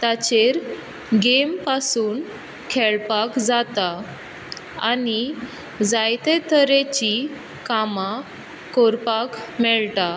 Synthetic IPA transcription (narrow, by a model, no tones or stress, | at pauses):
t̪at͡ɕeɾ | ɡempasuːn | kʰɛɭpakd͡zat̪a | a̰ni | d͡zajt̪et̪ʰəɾet͡ɕi | kama | koɾpakmɛɭt̪a